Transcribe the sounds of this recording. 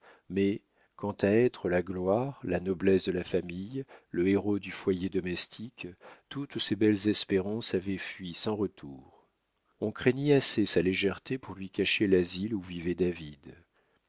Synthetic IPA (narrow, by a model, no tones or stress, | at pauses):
mɛ | kɑ̃t̪aɛt̪χəlaɡlwaʁlanɔblɛsd̪əlafamijləeʁod̪yfwajed̪ɔmɛst̪ʰikt̪ut̪sebɛlzɛspeʁɑ̃savɛfɥisɑ̃ʁət̪ʰuʁ | ɔ̃kχeɲɛasesaleʒɛʁt̪epuʁlɥikaʃelaziluvivɛd̪avid̪